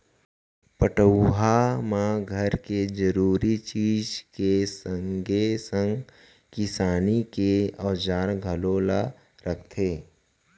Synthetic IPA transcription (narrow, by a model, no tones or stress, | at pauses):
pəʈəwɦamãɡʱəɾked͡ʒəɾuːɾit͡ʃiːd͡ʒkesəŋɡesə̃ŋɡ | kɪsaːnikeɔːd͡ʒaːɾɡʱəloːla | ɾəkʰt̪ʰeː